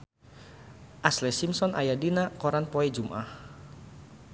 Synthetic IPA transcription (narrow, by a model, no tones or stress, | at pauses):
ʔaslɛsimsɔnʔajadinakɔɾanpɔɛd͡ʒumʔa̰h